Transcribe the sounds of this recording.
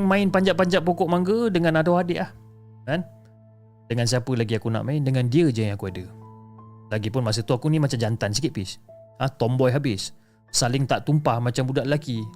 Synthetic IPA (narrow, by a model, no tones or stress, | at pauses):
ŋmãɪnpaɲd͡ʒaʔpaɲd͡ʒaʔpokɔʔmaŋɡədəŋanadawɦadiʔlah | kan | dəŋans̬iapəlaɡiakuna̰ʔmãɪndəŋandiəd͡ʒãŋakuadə | laɡipʊnmas̬ət̪uakunimat͡ʃamd͡ʒant̪ansikit̪̚pɪsaht̪ɔmbɔjɦabɪs | salɪŋt̪aʔt̪umpahmat͡ʃambudaʔlaki